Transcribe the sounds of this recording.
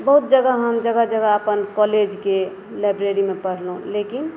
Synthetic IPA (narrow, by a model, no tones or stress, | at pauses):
bəɦut̪̚d͡ʒəɡaɦəmd͡ʒəɡad͡ʒəɡaəpənkɔled͡ʒke | lajbɾeɾimepəɽ̤lɦũlekin